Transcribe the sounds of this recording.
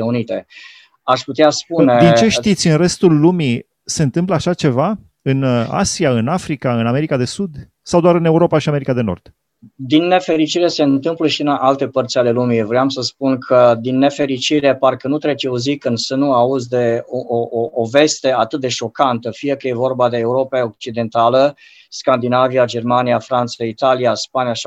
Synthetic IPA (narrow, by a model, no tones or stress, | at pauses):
eunit̪e̞ | aʃput̪easpuned̪int͡ʃe̞ʃt̪it̪sʲɨnre̞st̪ulːumi | se̞ɨnt̪ɨmpləaʃat͡ʃe̞va | ɨna̰siaɨnafɾikaɨname̞ɾikad̪e̞sud̪ | sawd̪oaɾɨne̞uɾo̞paʃiame̞ɾikad̪e̞no̞̰rd̪̥ | d̪inːe̞fe̞ɾit͡ʃiɾe̞se̞ɨnt̪ɨmpləʃiɨnalt̪e̞pərt̪sʲale̞lumivɾeamsəspunkʰəd̪inːe̞fe̞ɾit͡ʃiɾe̞parkənut̪ɾe̞t͡ʃeuzikɨnd̪sənuauzd̪e̞oooːve̞st̪e̞at̪ɨt̪̚d̪e̞ʃo̞kant̪əfije̞kəje̞vo̞rbad̪e̞ːuɾo̞paok̚t͡ʃid̪e̞nt̪alə | skand̪inaviad͡ʒe̞rmanijafɾant̪sait̪alijaspanijaʃ